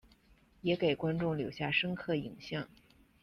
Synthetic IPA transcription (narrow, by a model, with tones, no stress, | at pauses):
jɛ˧˥ke˨˩ɪkwa˥nʈ͡ʂʊ˥˩ŋljo˨˧˩ʊɕja˥˩ʂɤ˥ŋkʰɤ˥˩i˨˩ŋɕjɑ˥˩ŋ